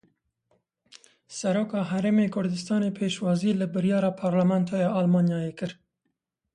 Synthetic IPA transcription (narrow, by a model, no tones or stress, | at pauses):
sɛɾoːkɑːɦɛɾeːmeːkʰʊɾd̪ɨst̪ɑːneːpʰeːʃwɑːziːlɨbɨɾjɑːɾɑːpʰɑːɾlæmɛnt̪ʰɑːjɑːʔɑlmɑːnjɑːjeːkɨɾ